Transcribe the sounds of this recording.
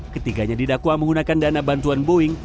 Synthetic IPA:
kət̪iɡaɲadidakwaməŋɡunakandanabant̪uanboɪŋ

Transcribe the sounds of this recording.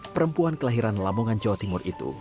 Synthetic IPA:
pəɾəmpuankəlaɦiɾanlamoŋand͡ʒawat̪imʊrʔit̪ṵ

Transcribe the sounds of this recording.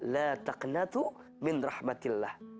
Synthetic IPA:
laːt̪ɑqnat̪ʊ | mɪnɾˤɑħmalːaːh

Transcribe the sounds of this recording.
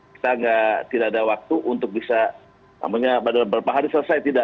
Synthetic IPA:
ki̥t̪aŋɡat̪idaʔadawak̚t̪uʔunt̪ʊk̚bisa | na̰maɲabadalambəɾapaɦaɾisələsajt̪ida

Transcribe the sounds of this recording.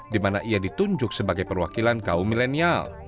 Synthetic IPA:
dimanaʔiadit̪uɲd͡ʒʊk̚səbaɡajpərwakilankaumilenial

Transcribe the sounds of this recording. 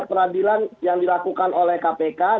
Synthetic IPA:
pəɾadilanjaŋdilakukanolɛhkapeka

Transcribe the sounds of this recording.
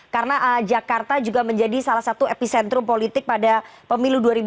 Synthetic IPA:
kaɾənaʔəd͡ʒakart̪ad͡ʒuɡaməɲd͡ʒadisalahsat̪uepisɛnt̪ɾʊmpolit̪ɪk̚padapəmiluduaɾib

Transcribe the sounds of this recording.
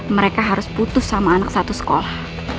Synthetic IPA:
məɾekaɦaɾʊsput̪ʊsːamaːnaksat̪usə̥kolah

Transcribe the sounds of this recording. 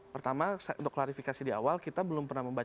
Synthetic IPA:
pərt̪amasaʔṵnt̪ʊ̥kːlaɾifikasidia̰walkit̪abəlʊmpərnahməmba

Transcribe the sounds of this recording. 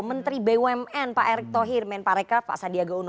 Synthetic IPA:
mənt̪ɾibewɛmɛnpaʔɛɾɛk̚t̪ɔɦirmɛnpaɾɛkafa̰sadiaɡaunɔ

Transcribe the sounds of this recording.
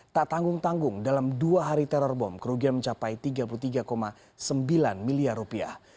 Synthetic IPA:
t̪aʔt̪aŋɡʊŋt̪aŋɡʊŋdalamduaɦaɾit̪ɛɾɔrbɔmkəɾuɡianməɲt͡ʃapajt̪iɡap̬ulut̪iɡakoma | səmbilanmiliarːupia̰h

